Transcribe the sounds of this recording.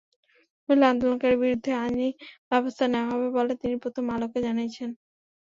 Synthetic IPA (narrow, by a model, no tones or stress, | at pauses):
uland̪olonkaɾebiɾud̪ʱːead͡ʑibɛbost̪ʰaneoaɦɔbebolet̪inipɾot̪ʰomaloked͡ʑanijet͡ɕʰen